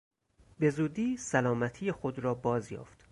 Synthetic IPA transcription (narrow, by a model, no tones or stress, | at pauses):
be̞zuːd̪iːsælɒːmæt̪ʰijexod̪ɾɒːbɒːzjɒ̰ːft̪